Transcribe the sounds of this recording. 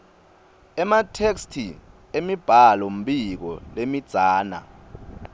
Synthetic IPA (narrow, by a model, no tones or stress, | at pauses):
ɛmatʰekstʰi | emib̥ʱalom̩ɓik̬ɔlemid̥z̥ʱaːna̰